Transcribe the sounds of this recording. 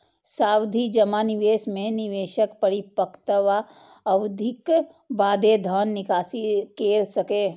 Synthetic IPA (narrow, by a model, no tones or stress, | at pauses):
saːwd̪ʱid͡ʒɐmanɪʋeːʃmẽnɪʋeːʃəkpəɽipəkt̪əʋa | ɐʋd̪ʱɪk | ʋaːd̪ed̪ʱaːnːɪkaːsikeːɾsɐkeː